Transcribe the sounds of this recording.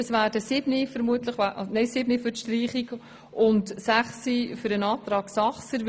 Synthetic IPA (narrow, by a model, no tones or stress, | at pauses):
əsvæːd̥əsɪb̥nifəɾmuətləχʔnɛɪsɪbnifʏrtʃtriːχiɡ | ʔʊntsæχsifʏɾənɑːtɾɑːksɑχsə